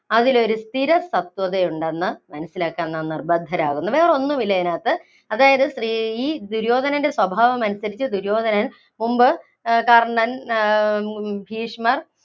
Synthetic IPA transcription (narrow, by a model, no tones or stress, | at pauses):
ɐðilo̞ɾust̪ʰiɾɐsɐt̪wɐðejuɳɖenːɐmɐnɐsːilaːkːaːnnːanirbɐd̪ʱːɐɾa̰ːɣunːuʋe̞ːro̞nːumilːɐjɐnaːt̪ːɨ | ɐðaːjɐðɨsriiːd̪uɾo̞ːd̪ʱɐnɐnde̞swɐbʱaːʋɐmɐnɐsɐɾit͡ɕːɨd̪uɾo̞ːd̪ʱɐnɐn | mumbɨ | karɐɳɐn | bʱiːʂmɐr